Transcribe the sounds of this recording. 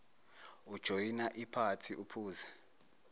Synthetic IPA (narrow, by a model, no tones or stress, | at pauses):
ud̥ʒ̥ʱojinaʔipʰatʰiʔupʰuːza